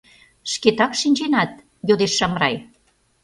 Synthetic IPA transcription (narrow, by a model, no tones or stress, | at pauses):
ʃket̪ɑkʃinʲd͡ʑenɑt̪̚ | jod̪eʃːɑmrɑj